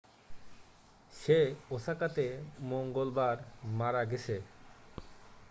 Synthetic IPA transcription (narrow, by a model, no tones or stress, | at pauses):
ʃeosakat̪emoŋɡolbaɾmaɾaɡet͡ɕʰe